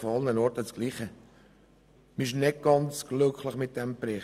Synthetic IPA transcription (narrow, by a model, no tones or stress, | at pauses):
fɑlnənɔɾtət͡sɡ̥liːχə | mɪɪʃnɪɡ̚ɡ̥ɑnt͡sɡ̥lʏkʰləχmɪt̚d̥ɛmpɾɛ